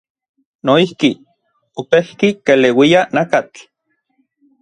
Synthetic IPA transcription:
noihki | opehkikelewianakat͡ɬ

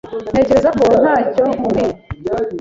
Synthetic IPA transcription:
n̥e̞ceɾezakon̥haːcoɡi

